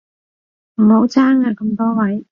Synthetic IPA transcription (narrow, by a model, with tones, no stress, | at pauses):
m̩˨˩ho˨˥wt͡saː˥ŋaː˧kɐ˧mt̪ɔː˥wɐ˨˥j